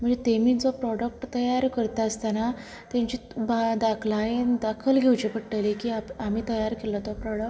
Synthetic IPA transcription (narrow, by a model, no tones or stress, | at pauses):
m̤əɳd͡zet̪emiːd͡zɔpɾɔɽək̚ʈt̪əjaɾkəɾt̪aəst̪ana | t̪ẽɲt͡ɕibad̪akʰlaend̪akʰəlɡʱewt͡ɕipəʈʈəlekiːapamiːt̪əjaɾkelɔt̪ɔpɾɔɽək